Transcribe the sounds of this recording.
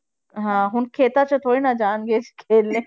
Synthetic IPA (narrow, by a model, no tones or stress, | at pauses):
ɦãɦʊnkʰeːt̪at͡ʃat̪ʰoːɽinad͡ʒaːnɡet͡ʃʰkʰeːlːẽ